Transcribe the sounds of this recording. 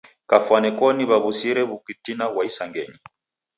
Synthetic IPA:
kafwanɛkɔniβaβusiɾɛβukitinawaisaŋɡɛɲi

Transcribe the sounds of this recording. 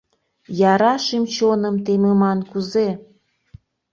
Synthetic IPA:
jɑɾɑʃimt͡ɕonəmt̪ememɑnkuze

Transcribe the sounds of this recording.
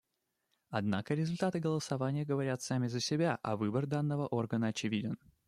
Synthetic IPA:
ɐd̪nakəɾʲɪzʊlʲt̪at̪ɨɡəlˠəsɐvanʲɪjəɡəvɐɾʲat̪samʲɪzəsʲɪbʲaʔɐ̰vɨbərd̪anːəvəʔo̞rɡənəɐt͡ɕɪvʲidʲɪn

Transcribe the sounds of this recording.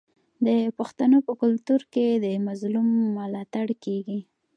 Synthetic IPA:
d̪əpʊxt̪anopəkʊlt̪uɾked̪əmazlumːəlɑt̪aɽkeɡi

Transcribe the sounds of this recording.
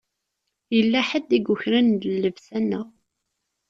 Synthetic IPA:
jəlːæħəd̪ːiɡʊçɾænd̪lːəvsænːəʁ

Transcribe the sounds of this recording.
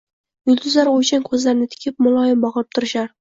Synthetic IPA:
jʊlˠd̪ʊzlaɾojt͡ʃankʰɵzlaɾɪnɪt̪ʰɪ̥kʲʰɪp̚mʊlˠɒjɪmbɒʁp̚t̪ʰʊɾɪʃaɾ

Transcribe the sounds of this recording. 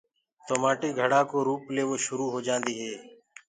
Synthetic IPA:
t̪oːmaːʈeːɡʱəɽaːkoːɾuːpleːʋoːʃʊɾuːɦoːd͡ʒãːnd̪iːɦeː

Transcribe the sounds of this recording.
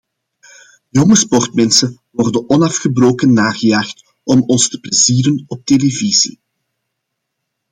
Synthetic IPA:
jɔŋəspɔrtmɛnsəʋɔrdənɔnɑfxəbroːkənːaːɣəjaːxt | ɔmɔnstə̥plɛziːɾənɔp̚televiz̥ḭ

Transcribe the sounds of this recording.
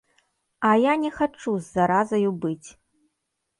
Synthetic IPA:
ɐjanʲɛxat͡ʂuzːaɾazɐjubɨt͡sʲ

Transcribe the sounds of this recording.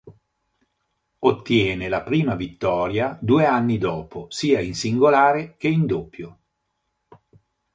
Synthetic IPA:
ot̪ːjɛːnelapɾiːmavit̪ːɔːɾjad̪uːeanːid̪ɔːposiːainsiŋɡolaːɾek̟eind̪opːjo

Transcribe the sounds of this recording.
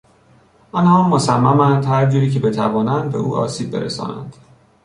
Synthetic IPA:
ʔɒnhɒːmosæmːæmænd̪hæɾd͡ʒuːɾiːcʰe̞be̞t̪ʰævɒːnænd̪̚be̞̰ʔṵːʔɒ̰ːsiːb̚ːe̞ɾesɒ̰ːnæ̰nd̪̥

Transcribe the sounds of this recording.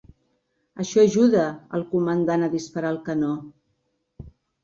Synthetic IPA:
əʃɔəʒuðəə̰lˠkumənd̪anəðispəɾaːlˠkənɔ

